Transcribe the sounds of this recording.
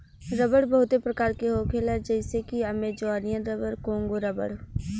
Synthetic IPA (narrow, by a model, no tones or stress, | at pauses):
ɾəbəɽbɐɦʊt̪epɾɐkaːɾkeɦoːkʰelɛɾd͡ʒɛːɪsekiɐmed͡ʒoaːnijənɾəbəɾkõːŋɡoɾəbə̰ɽ